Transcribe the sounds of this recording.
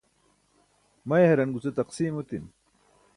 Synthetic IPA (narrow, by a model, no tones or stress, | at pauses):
mɐjɦɐɾɐnɡut͡set̪ɐqsiːmot̪in